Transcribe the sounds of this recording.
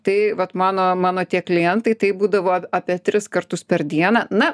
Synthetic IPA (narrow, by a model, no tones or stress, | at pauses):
t̪ɐɪʋɐt̪mɑːnoːmɑːnoːt̪ʲiɛklʲɪjɛnt̪ɐɪt̪ɐɪbuːd̪ɐʋoːɐɑːpʲiɛt̪ʲɾʲɪskɐrt̪ʊspʲɛɾd̪ʲiɛnɐnɐ